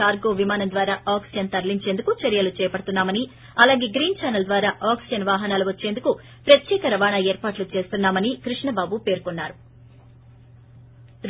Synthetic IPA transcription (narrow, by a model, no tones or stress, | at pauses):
aːɾɡo̞ːʋimaːnɐmnd̪ʋaːɾaːʔaːksijɐnt̪ɐɾliɲt͡ʃe̞ːnd̪ukut͡ʃɐɾjɐlut͡ʃɛːjɐpɐɽɐt̪unːaːmɐni | ɐlaːɡeːɡɾiːnt͡ʃaːnɐld̪ʋaːɾaːʔaːksijɐnʋaːɦɐnaːluʋɐt͡ʃːe̞ːnd̪uku | pɾɐt̪jɛːkɐɾɐʋaːɳɐeːɾpaːʈlut͡ʃe̞ːst̪unːaːmɐnikɾiʂɳɐbaːbupe̞ːɾkonːaːɾu | ɾ